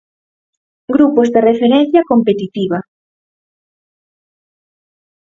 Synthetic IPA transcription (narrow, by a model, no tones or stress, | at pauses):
ɡɾupozd̪erefeɾen̟θjɐkompet̪it̪iβɐ